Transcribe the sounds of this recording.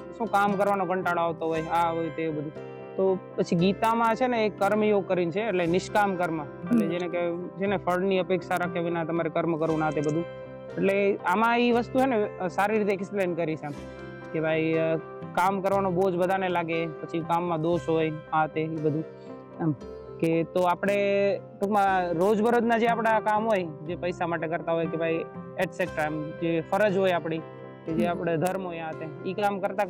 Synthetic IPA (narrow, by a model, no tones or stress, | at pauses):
ʃũkamkəɾʋanoɡəɳʈaɭoaʋt̪oɦojaɦojt̪ebəd̪ʱũ | t̪opət͡ʃʰiɡit̪amãt͡ʃʰeneːkːəɾmjoɡ̚kəɾint͡ʃʰeːʈlenɪʃkamkəɾmã | əʈled͡ʒeneked͡ʒʰenefʰəɾɽniəpekʃaɾakʰeʋinat̪əmaɾekəɾmkəɾʋũnat̪ebəd̪ʱũ | eʈleamãiʋəst̪ut͡ʃʰenesaɾiɾit̪eːksplenkəɾit͡ʃʰe | kebʱaj | kamkəɾʋanobod͡ʒbəd̪ʱanelaɡepət͡ʃʰikamːãd̪oʃɦojat̪eibəd̪ʱũ | ket̪oapɽ̃eʈukmãɾod͡ʒbʱəɾod̪nad͡ʒeapɽ̃akamɦojd͡ʒepəjsamaʈekəɾt̪aɦojkebʱaieʈsek̚ʈajmd͡ʒefəɾəd͡ʒɦojapɽ̃i | ked͡ʒeapɽ̃ed̪ʱəɾmɦojat̪eikamkəɾt̪a